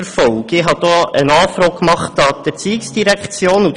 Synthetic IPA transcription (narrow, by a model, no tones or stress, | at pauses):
ɾfɔlkɪɦɑd̥̪oənɑːfɾɔːkkːmɑχtɑd̥̪əɾt͡siɪksd̥iɾækχt͡sjoːnu